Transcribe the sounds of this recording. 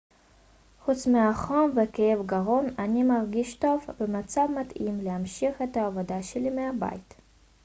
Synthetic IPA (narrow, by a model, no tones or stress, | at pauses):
χut͡smeaχomvekejevɡaʁo̞manimaʁɡiʃt̪o̞vbemat͡savmatimlehamʃiχet̪aːvod̪aʃelimeaba̰jit̪